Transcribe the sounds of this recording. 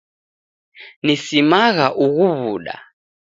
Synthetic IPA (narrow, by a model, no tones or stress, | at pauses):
nisimaɣaʔuɣuβuɗa̰